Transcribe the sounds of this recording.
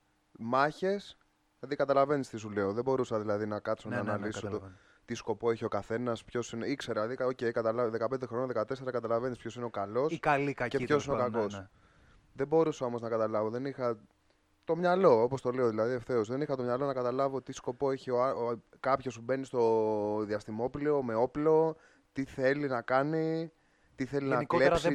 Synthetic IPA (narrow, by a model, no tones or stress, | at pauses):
mɐçe̞s | ðikɐt̪ɐlɐve̞nist̪isule̞oðebo̞ɾusɐðilɐðinɐkɐt̪sonɐːnɐlisot̪o | t̪isko̞po̞e̞çio̞kɐθe̞nɐspço̞sineikse̞ɾɐðioce̞jikɐt̪ɐlɐvðekɐpe̞nd̪e̞xɾo̞nɐðekɐt̪e̞seɾɐkɐt̪ɐlɐve̞nispço̞sineo̞kɐlo̞skɐlikɐcepçosineokɐko̞s | ðe̞bo̞ɾusɐo̞mo̞znɐkɐt̪ɐlɐvoðe̞nixɐ | t̪o̞mɲɐlo̞o̞po̞st̪o̞le̞o̞ðilɐðieft̪e̞ozðe̞nixɐt̪o̞mɲɐlo̞nɐkɐt̪ɐlɐvo̞t̪isko̞po̞e̞çio̞ɐ | kɐpço̞sube̞nist̪o̞ðiɐst̪imo̞plio̞meo̞plo̞ | t̪iθe̞linɐkɐni | t̪iθe̞linɐikleɾsi